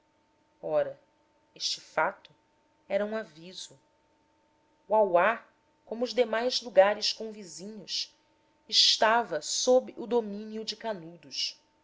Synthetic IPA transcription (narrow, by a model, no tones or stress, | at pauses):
ɔɾɐ | eʃt͡ʃɪfat̪ʊ | ɛɾɐũaviz̥ʊ | uawa | kõmʊːzd̪emajzluɡaɾɪskõvizĩɲʊs | ɪʃt̪avɐsobɪʔud̪omĩniʊd͡ʒɪkanud̪uʃ